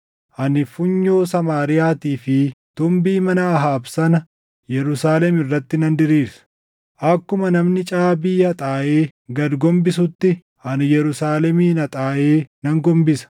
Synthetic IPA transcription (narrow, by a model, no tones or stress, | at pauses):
ʔɐnɪfʊɲːo̞ːsɐmaːɾɪjaːt̪iːfɪt̪ʊmbiːmɐnaːɦaːbsɐnɐ | jɛɾʊsaːlɛmɪrːɐt̪ːɪnɐnd̪ɪɾiːɾsɐ̥ | ʔɐkːʊmɐnɐmnɪt͡ʃʼaːbɪjːɐt̪ʼaːʔe̞ːɡɐd̪ɡɔmbɪs̬ʊt̪ːɪ | ɐnɪjɛɾʊsaːlɛmiːnɐt̪ʼaːʔeːnɐŋɡɔmbɪsɐ̥